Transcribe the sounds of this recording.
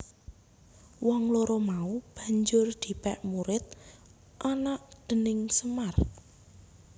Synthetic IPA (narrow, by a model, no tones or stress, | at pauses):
wɔŋloɾɔmaub̥ä̤ɲd͡ʒʊrd̪̥i̤pɛʔmuɾɪt̪̚ | ʔanaʔd̪̥ə̤nɪŋsəmar